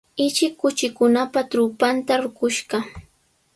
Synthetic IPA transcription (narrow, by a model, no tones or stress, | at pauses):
ɪt͡ʃɪkːʊt͡ʃɪkʊnapat̪ɾʊpant̪aɾʊkʊʃɢɑ